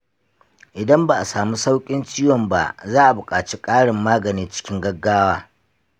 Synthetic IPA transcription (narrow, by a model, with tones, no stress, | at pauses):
ʔɪ˨dɐ˦mba˨ʔa˨saː˨mu˦sa˦wkʲʼɪ˦nt͡ʃiː˦wɔ˨mba̰˨zaː˦ʔa˨bʊ˨kʼaː˨t͡ʃi˦kʼaː˦ɽɪ˨mːaː˦ɡɐ˨niː˦t͡ʃɪ̥˦kʲɪ˦ŋɡɐ˦ɡːaː˦waː˦